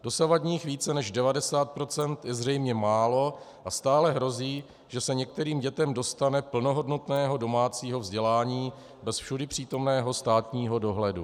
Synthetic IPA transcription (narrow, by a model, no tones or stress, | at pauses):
dosavadɲiːxviːt͡sɛnɛʒdɛvadɛsaːt̪̚pɾo̞t͡sɛnt̪jɛzrɛjmɲɛmaːlo̞ | ʔast̪aːlɛɦɾo̞ziː | ʒ̥ɛsɛɲɛk̚t̪ɛɾiːmɟɛt̪ɛmdo̞st̪anɛpl̩no̞ɦo̞dnot̪nɛːɦo̞do̞maːt͡siːɦo̞vzɟɛlaːɲiː | bɛsfʃudɪpr̝̥iːt̪o̞mnɛːɦo̞st̪aːt̪ɲiːɦo̞do̞ɦlɛdu